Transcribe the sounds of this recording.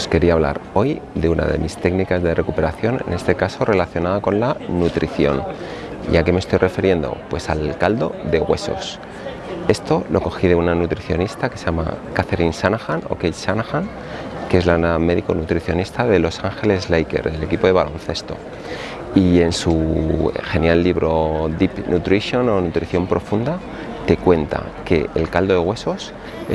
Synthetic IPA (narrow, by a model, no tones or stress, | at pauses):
ske̞ɾiaβla̰ɾo̞jðe̞una̰ðe̞̰mist̪e̞ɡnikazðe̞re̞kupe̞ɾaθjo̞nḛne̞st̪e̞kaso̞re̞laθjo̞naðako̞nlanut̪ɾiθjo̞̰nḭake̞mest̪o̞jrʔe̞feɾje̞nd̪o̞̰pwe̞salkald̪o̞ðe̞ɣwe̞so̞̰s | e̞st̪o̞lʔo̞ko̞xiðe̞unanut̪ɾiθjo̞̰nist̪akeseʝama̰kaθe̞ɾinsanaxano̞̰kejsanaxan | ke̞zlaame̞ðiko̞nut̪ɾiθjo̞nist̪aðe̞lo̞saŋxe̞le̞zlejke̞̰ɾele̞kipo̞ðe̞βalo̞nθe̞st̪o̞̰ | ie̞nsu | xe̞njalːiβɾo̞ðipnʔut̪ɾiθjo̞no̞nut̪ɾiθjo̞mpɾʔo̞fund̪a | t̪e̞kwe̞nt̪a̰ | ke̞ʔelkald̪oðe̞ɣwe̞so̞s | e